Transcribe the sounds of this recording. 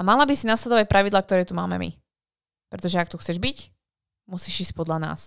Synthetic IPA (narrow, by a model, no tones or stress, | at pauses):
amalabisinaslɛd̪ɔʋac̚pɾʔaʋid̪laːk̚t̪ɔɾɛːt̪umaːmɛ̰mḭ | pɾɛt̪ɔʒɛak̚t̪uxt͡sɛʒbic | musiːʒiːsc̚pɔd̪lana̰ːs